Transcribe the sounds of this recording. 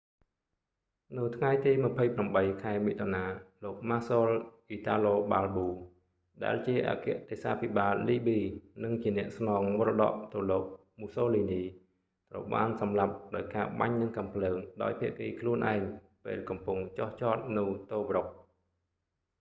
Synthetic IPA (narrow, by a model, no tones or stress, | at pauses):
nɨwt̪ʰŋajt̪iːmɨ̆əpʰəjpramɓəjkʰaɛmiːt̪ʰonaːloːk̚maːsoːlʔiːt̪aːloːɓaːlɓuː | ɗa̰ɛlt͡ɕiəʔa̰ːkɛ̆əʔt̪eːsaːpʰiɓaːlːiːɓiːnɨŋt͡ɕiənɛ̆əʔsnɑːŋʋrɗɑ̰ːʔt̪ɨwloːk̚ | musoːliːniː | t̪rə̰wɓa̰ːnsɑmlap̚ɗaɔjkaːɓa̰ɲnɨŋkampʰləːŋɗa̰ɔjpʰiəʔkiːkʰluənʔa̰ɛŋ | pḛːlkɑmpuŋt͡ɕoht͡ɕɑːt̪̚nɨwt̪oːʋrok̚